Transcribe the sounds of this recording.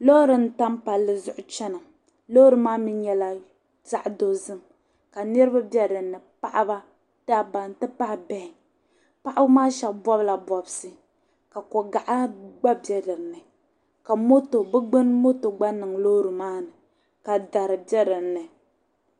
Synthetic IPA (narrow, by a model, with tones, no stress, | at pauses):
lo˦ɾɨ˨n̩˨˦ta˦mpa˨lːɨ˦˨zʊ˦ʔʊ˦t͡ʃɛ˦nɨ˨ | lo˦ɾɨ˨maː˦mi˦ɲɛ˨la˦ | z̥a˦ʔdo˦zɨ˦m | ka˨nɨ˦ɾɨ˦ba˦bjɛ˦dɨ˨nɨ˨pa˦˨ʔa˦ba˦ | ta˦˨ba˨n˨tɨ˦pa˦hbɛ˦hɪ˨ | pa˦ʔa˦bʊ˦maː˦ʃɛ˨kbɔ˦bla˨bɔ˨bsɨ˦ | ka˨kɔ˨ɡa˨ʔa˦ɡ͡ba˦bjɛ˦dɨ˨ɾnɨ˨ | ka˨mo˦to˨bɛ˦ɡ͡bɨ˦nmo˦to˨ɡ͡ba˦nɨ˨ŋlo˦ɾɨ˨maː˦nɨ˨ | ka˨da˨ɾɨ˨bɛ˦dɨ˨ɾnɨ˨